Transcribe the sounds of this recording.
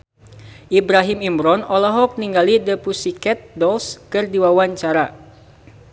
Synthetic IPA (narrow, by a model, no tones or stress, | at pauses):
ʔibɾaɦimimbɾɔnɔlaɦɔk̚niŋɡalidəpusikɛt̪̚dɔlskɨrdiwawaɲt͡ʃaɾa